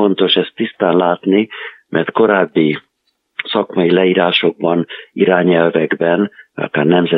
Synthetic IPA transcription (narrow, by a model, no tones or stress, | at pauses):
o̞nt̪o̞ʃɛst̪ːist̪aːnlaːt̪nimʔɛrt̪ko̞ɾaːbːi | sɒkmɒjilɛiːɾaːʃo̞ɡ̚bɒniɾaːɲɛlvɛɡbɛnvjɒ̰kaːrnɛmzɛ